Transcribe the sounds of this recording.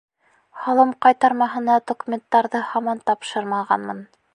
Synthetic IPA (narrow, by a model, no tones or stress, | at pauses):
hɑlˠɤmqɑjt̪ɑɾmɑɦɤ̆nɑd̪okumʲent̪ːɑɾðɤhɑmɑnt̪ɑpʃɤɾmɑʁɑ̰nmɤ̰n